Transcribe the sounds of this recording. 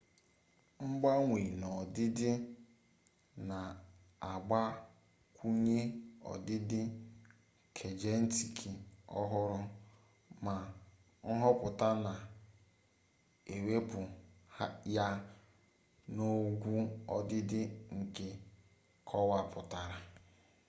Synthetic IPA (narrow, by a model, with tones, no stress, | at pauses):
ŋ͡m̩˦ɡ͡ba˦ŋʷe˨nɔ˨dɪ˦dɪ˦ | na˨ | a˨ɡ͡ba˦ | kʷu˦ɲe˦ɔ̰˨dɪ˦dɪ˦ | kʰe˨d͡ʒe˦n̩˦ti˨kʰi˨ɔ̰˦ɦʊ˦ɾʊ˦ | ma˨ | ŋ̩˦ɦɔ˦pʊ˨ta˦na˨ | e˨we˦pʊ˨˦ | ja˦ | no˦ɡʷu˦ɔ˦dɪ˦dɪ˦ŋ̩˨ke˦ | kʰɔ˦wa˦pʊ˨ta˨ɾa˨